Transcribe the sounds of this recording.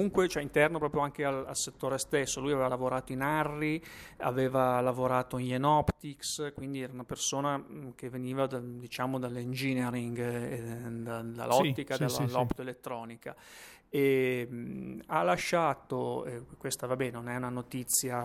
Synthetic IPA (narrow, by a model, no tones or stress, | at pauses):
kuŋkwet͡ʃoɛint̪ɛrnopɾɔːpɾjoaŋkeala̰lset̪ːoːɾest̪esːolujaveːvalavoɾaːt̪oinarːia̰veːvalavoɾaːt̪oinjenɔpt̪ikskwind̪iɛːɾaunapersoːnak̟evːeniːvad̪ad̪it͡ʃaːmod̪alːind͡ʒineɾiŋɡed̪ad̪a̰lːɔt̪ːikad̪alːlːɔpt̪elet̪ːɾɔːnika | e | alːaʃːaːt̪oekwest̪avabɛːnenonɛunanot̪it̪sːja